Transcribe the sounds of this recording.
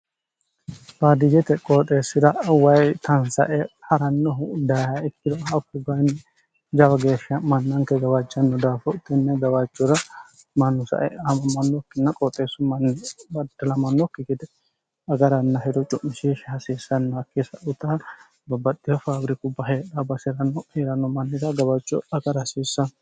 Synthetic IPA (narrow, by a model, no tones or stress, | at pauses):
faːd̪ɪjɛt̪ɛkʼoːt̪ʼːe̞ːsːɪd̪ɐwɐjt̪ɐnsɐ̰ʔɛhɐɾɐnːɔd̪ɐjhɐɛkːɪd̪ɔɐkːʊbɐn | d͡ʒɐwɐɡeːʃːɐmɐnːɐŋkɛɡɐwat͡ʃʼːɐnːɔd̪aːfɔt̪ːɛnːɛɡɐwat͡ʃʼːɔɾɐ | mɐnːʊsɐ̰ʔɛ̰ɐmɐmɐnːɔkːɪnːɐkʼɔt̪ʼːeːsɔmɐnːbɐd̪ɐlɐmɐnːɔkːɪkɪd̪ɛ | ɐɡɐɾɐnːɐɦɛd̪ɔt͡ʃʼʊmːɪsiʃhɐsisːɐnːɐɐkːisɐʔʊt̪ɐ | bɐbɐd̪ːɪjɐfaːbɾɪkʊbɐɦeːᶑɐbɐsɪɾɐnːɔheɾɐnːɔmɐnːɪd̪ɐɡɐbɐt͡ʃʼːɔ̰ɐɡɐɾɐsiːsːɐ